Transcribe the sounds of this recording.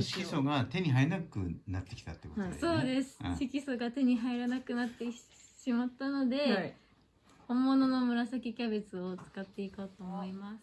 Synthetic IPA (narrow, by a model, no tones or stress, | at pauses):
ɕi̥kʲisoɡat̪e̞ɲ̟iɦainakɯ̰nat̪ːe̞kʲi̥t̪a̰t̪ːekooso̞ːd̪e̞sɨ̥ɕikʲiso̞ɡat̪e̞ɲ̟iɦaiɾanakɯ̟nat̪ːe̞ɕimat̪ːano̞d̪e̞ | hõ̞mːo̞no̞no̞mɯ̟ɾasakʲikʲabe̞t͡sɨot͡sɨ̥kat̪ːe̞ikot̪o̞ːmoimasɨ̥